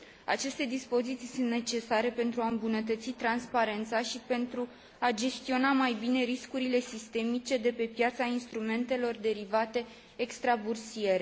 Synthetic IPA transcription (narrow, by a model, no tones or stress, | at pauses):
a̰t͡ʃe̞st̪e̞d̪ispo̞zit̪sisunt̪ne̞t͡ʃe̞saɾe̞pe̞nt̪ɾuaɨmbunət̪ət̪sit̪ɾanspaɾe̞nt̪saʃipe̞nt̪ɾu | ad͡ʒe̞st̪io̞namajbine̞ɾiskuɾile̞sist̪e̞mit͡ʃe̞d̪e̞pe̞pjat̪sainst̪ɾume̞nt̪e̞lo̞rd̪e̞ɾivat̪e̞ː | kst̪ɾabursie̞ɾe